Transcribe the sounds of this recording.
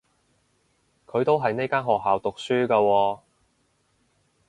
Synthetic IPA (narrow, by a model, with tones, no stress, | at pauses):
kʰɵ˨˧ɥt̪o˥wɦɐ˨jne˥jkaː˥nɦɔː˨k̚ɦaː˨wt̪ʊ˨k̚syː˥kaː˧wɔː˧